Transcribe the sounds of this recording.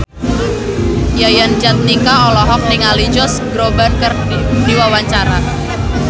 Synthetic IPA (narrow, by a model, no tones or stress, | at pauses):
jajand͡ʒat̪̚nikaɔlɔɦɔk̚nɪŋalid͡ʒɔsɡɾobankər | diwawaɲt͡ʃaɾa